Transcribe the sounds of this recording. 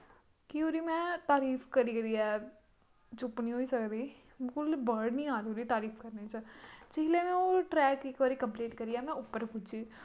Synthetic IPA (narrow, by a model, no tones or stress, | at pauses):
kiːɦoːɾiːmɛ̃ːt̪aːɾiːfʰkəɾiːɡəɾiːɛː | t͡ʃʊpniːɦoːiːsəkd̪iː | bɪlkʊlbəɾɖnĩːaːɾioːɾiːt̪aːɾiːpʰkəɾneːt͡ʃəd͡ʒɪɦleːmɛ̃ːoːʈɾɛːkɪkbaːɾiːkəmpleːʈkəɾiːɛːmɛ̃ːʊpːəɾpʊd͡ʒiː